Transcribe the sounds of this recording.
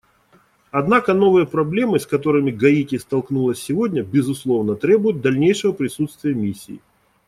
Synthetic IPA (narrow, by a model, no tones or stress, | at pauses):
ɐd̪nakəno̞vɨjəpɾɐblʲe̞mɨsʲkɐt̪̬o̞ɾɨmʲɪɡɐitʲɪst̪ɐlˠknulˠəsʲːɪvo̞dʲnʲəbʲɪzʊslˠo̞vnət̪ɾʲe̞bʊjʊt̪̚d̪ɐlʲnʲejʂɨvəpɾʲɪsut̪st̪vʲɪjəmʲisʲːḭː